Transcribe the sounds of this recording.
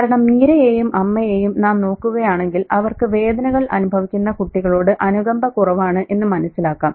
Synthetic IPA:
aːɾɐɳɐmːiːɾɐjeːjumʔɐmːɐjeːjumnaːmno̞ːkːuɣɐjaːɳe̞ŋɡilɐʋɐrkɨʋe̞ːd̪ɐnɐɣɐɭʔɐ̰nubʱɐʋikʲːunːɐkuʈːiɣɐɭo̞ːɽɨʔɐnuɡɐmbʱɐkurɐʋaːɳɨʔe̞nːɨmɐnɐssːilaːkːaːm

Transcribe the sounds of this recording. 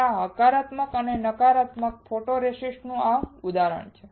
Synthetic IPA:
aɦəkaɾat̪məkənenəkaɾat̪mək̚fʰoʈoɾeʃisʈnũaud̪aɾə̰ɳt͡ʃʰe

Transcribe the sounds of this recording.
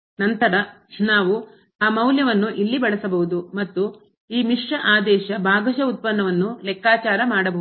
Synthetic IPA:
nɐnt̪ɐɾɐ | naːʋu | aːmɐwljɐʋɐnːuʔilːibɐɭɐsɐbɐɦud̪umɐt̪ːu | iːmiʂʈɐʔaːd̪ɛːʃɐbʱaːɡɐʃɐut̪̚pɐnːɐʋɐnːulɛkːaːt͡ʃaːɾɐmaːɽɐbɐ

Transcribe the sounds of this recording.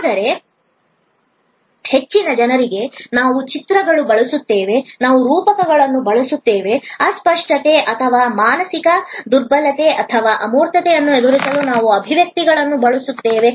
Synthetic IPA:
aːd̪ɐɾe̞ | he̞t͡ʃːinɐd͡ʒɐnɐɾiɡe̞naːʋut͡ʃit̪ɾɐɡɐɭubɐɭusut̪ːeːʋe̞naːʋuɾuːpɐkɐɡɐɭɐnːubɐɭusut̪ːeːʋe̞ɐspɐʂʈɐt̪e̞ʔɐt̪ʰɐʋaːmaːnɐsikɐd̪uɾbɐlɐt̪e̞ʔɐt̪ʰɐʋaːʔɐmoːɾt̪ɐt̪ejɐnːued̪uɾisɐlunaːʋuɐbʱiʋjɐk̚t̪iɡɐɭɐnːubɐɭusut̪ːeːʋe̞

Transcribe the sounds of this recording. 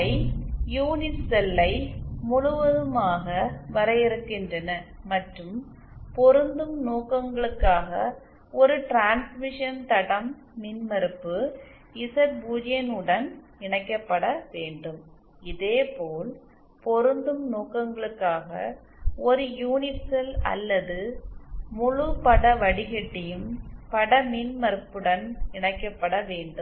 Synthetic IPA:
ɐɪjuːnɪʈsɛlːɐɪmʊɻʊʋɐðɯmaːɣɐʋɐɾɐjɪɾɯkːɪndrɐnɐmɐʈrɯm | pɔɾɯnd̪ɯmnoːkɐŋɡɐɭɯkːaːɣɐ | ɔɾɯʈɾaːnsmɪʂɐnt̪ɐɽɐm | nɪnmɐɾɯpːɯ | ɪsɐɾbuːɾɪjɐnɯɽɐn | ɪɳɐɪkːɐpːɐɽɐʋeːɳɖɯm | ɪðeːpoːl | pɔɾɯnd̪ɯmnoːkːɐŋɡɐɭɯkːaːɣɐ̰ | ɔɾɯjuːnɪsɐlɐ̰lːɐðɯ | mʊɻʊpɐɽɐʋɐɽɪɣɛʈːɪjɯmpɐɽɐminmɐɾɯpːɯɽɐnɪɳɐɪkːɐpːɐɽɐʋeːɳɖɯm

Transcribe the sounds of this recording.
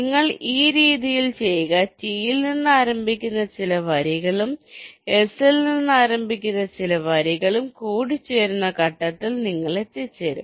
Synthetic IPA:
niŋːɐɭiːɾiːðijilt͡ɕe̞jɣɐtijilninːɨaːɾɐmbʱikʲːunːɐt͡ɕilɐʋɐɾiɣɐɭume̞silninːɨaːɾɐmbʱikʲːunːɐt͡ɕilɐʋɐɾiɣɐɭumkuːɽit͡ɕːe̞ːɾunːɐkɐʈːɐt̪ːilniŋːɐɭe̞t̪ːit͡ɕːe̞ːɾṵm

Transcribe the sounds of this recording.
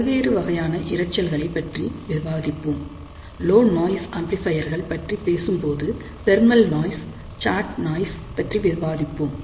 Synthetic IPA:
ɐʋeːɾɯʋɐɣɐjaːnɐʔɪɾɐt͡ʃːɐlɣɐɭɐɪpːɐʈriʋɪɾbaːðɪpːɯm | loːnnoːjsɐmplɪfɐjɐɾɣɐɭpɐʈripeːsɯmpoːðɯ | t̪ɛɾmɐlnaːjs | t͡ʃaːʈnaːjspɐʈriʋɪɾʋaːðɪpːɯm

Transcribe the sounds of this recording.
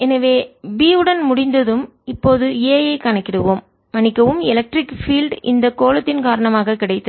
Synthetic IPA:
ɛnɐʋeːbiːɯɽɐnmʊɽɪnd̪ɐðɯm | ɪpːoːðɯeːjɐɪkɐɳɐkːɪɽɯʋoːmː | ɐnɪkːɐʋɯmɪlɐk̚ʈɾɪkfiːlɖɪ̰nd̪ɐkoːlɐt̪ːɪnkaːɾɐɳɐmaːɣɐkːɪɽɐɪt̪ːɯ

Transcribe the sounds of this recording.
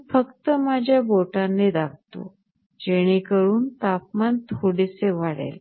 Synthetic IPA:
fəkt̪əmad͡ʑʱjaboʈanːed̪ap̚t̪o̰ | d͡ʑeɽ̃ekəɾuːnt̪ap̚mant̪ʰoɽiseʋaɽḛl

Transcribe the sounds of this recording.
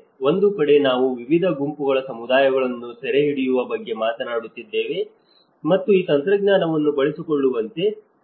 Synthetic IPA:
o̞nd̪ukɐɽe̞naːʋuʋiʋid̪ʱɐɡumpuɡɐɭɐsɐmud̪aːjɐɡɐɭɐnːusɛɾe̞ɦiɽijuʋɐbɐɡːe̞maːt̪ɐnaːɽut̪ːid̪ːe̞ːʋe̞ | mɐt̪ːuiːt̪ɐnt̪ɾɐɡɲaːnɐʋɐnːubɐɭisiko̞ɭːuʋɐnt̪e̞

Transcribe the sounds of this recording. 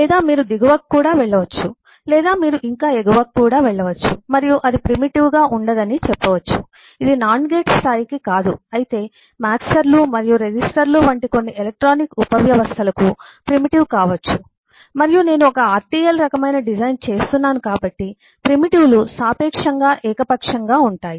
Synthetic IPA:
lɛːd̪aːmiːɾud̪iɡuʋɐkːuːɽaːʋɛɭːɐʋɐt͡ʃːu | lɛːd̪aːmiːɾuʔiŋkaːeɡuʋɐkːuːɽaːʋɛɭːɐʋɐt͡ʃːumɐɾijuʔɐd̪ipɾimiʈiʋɡaːʔuɳɖɐd̪ɐnit͡ʃɛpːɐʋɐt͡ʃːṵ | id̪inaːɳɖɡe̞ːʈsʈaːjikikaːd̪uɐjit̪e̞ː | maːksɐɾlumɐɾijuɾed͡ʒisʈɐɾluʋɐɳʈiko̞nːiʔelek̚ʈɾoːnikupɐʋjɐʋɐst̪ʰɐlɐkupɾimiʈiʋkaːʋɐt͡ʃːu | mɐɾijune̞ːnuɔkɐaːɾʈiːjɐlɾɐkɐmɐjnɐɖid͡ʒɐjnt͡ʃe̞ːst̪unːaːnukaːbɐʈːi | pɾimiʈiwlusaːpɛːkʂɐŋɡaːʔɛːkɐpɐkʂɐŋɡaːuɳʈaːji

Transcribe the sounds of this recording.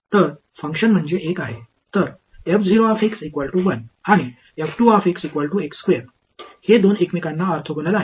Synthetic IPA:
t̪əɾ | fəŋkʂənm̤əɳd͡zeʔekaɦe | t̪əɾ | epd͡ziɾoafeksikʋalʈuʋənaɽ̃i | efʈuafeksikʋalʈuekskʋeɾ | hed̪onekmikãnːaːɾt̪ʰəɡənəlaɦe

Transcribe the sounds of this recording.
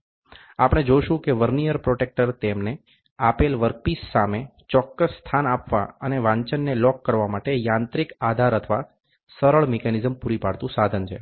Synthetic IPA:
apəɽ̃ed͡ʒoʃũkeʋəɾnijəɾpɾoʈek̚ʈəɾt̪emne | apelʋəɾk̚pisːame | t͡ʃɔkːəsːt̪ʰanapʋa̰əneʋãɲt͡ʃənːelɔkːəɾʋamaʈejãnt̪ɾikad̪ʱaɾət̪ʰəʋa | səɾəɭmekanizəmpuɾipaɽt̪ũsad̪ʱənt͡ʃʰḛ

